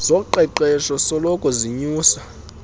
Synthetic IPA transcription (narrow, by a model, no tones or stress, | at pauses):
z̥ɔǃɛǃɛʃɔsɔlɔkʰʼɔziɲuːsa